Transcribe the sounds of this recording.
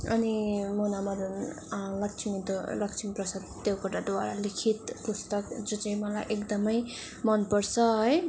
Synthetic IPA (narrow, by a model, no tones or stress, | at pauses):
ʌ̰nimonamʌd̪n | lʌk̚t͡sʰimit̪olʌkt͡sʰimiprʌsʌd̪t̪jowkʌʈad̪waɾa̰likʰit̪pust̪ʌkd͡zot͡sʌĩmʌlajʔekd̪ʌmʌj | mʌnpʌɾt͡sʰʌɦʌj